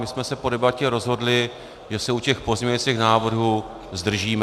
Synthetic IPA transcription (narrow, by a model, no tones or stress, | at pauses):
mɪsmɛsɛpo̞dɛbacɛɾo̞zɦo̞dlɪ | ʒɛsɛucɛxpo̞zmɲɛɲɛt͡siːxnaːvr̩ɦu | zd̪r̩ʒiːm